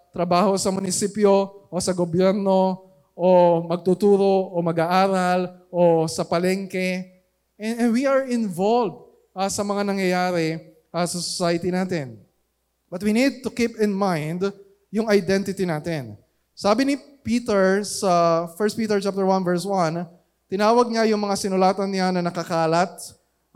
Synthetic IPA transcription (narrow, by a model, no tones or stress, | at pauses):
t̪ɾɐbaːho̞sɐmʊnɪsipjoʔosɐɡobjɛɾno̞ | ʔomɐɡ̚t̪ut̪uːɾo̞ʔomɐɡaʔaːɾɐlʔosɐpɐlɛŋkɛ | ɛwiɐɹɪnvolvd̪̚ | ʔɐsɐmɐŋanɐŋjɐjaːɾɛ | ʔɐsɐsosajɪt̪inaːt̪ɪn | b̥ɐt̪̚winid̪̚t̪ʊkipɪ̃nmãjnd̪ | jʊŋɐjd̪ɛnt̪ɪt̪inaːt̪ɪn | saːbɪnɪ | piːt̪ɛɹsɐfɛɹst̚piːt̪ɛɹt͡ʃap̚t̪əɹwanvɛɹswɐ̃n | t̪ɪnaːwɐɡ̚ɲajʊŋmɐŋasɪnʊlaːt̪ɐnɪanɐnɐkɐkaːlɐt̪̚